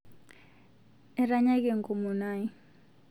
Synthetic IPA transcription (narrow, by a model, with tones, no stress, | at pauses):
ɛ˨ɾa˦ɲa˦ke˦˨ŋ̩˨ko˨mu˨na˦i˦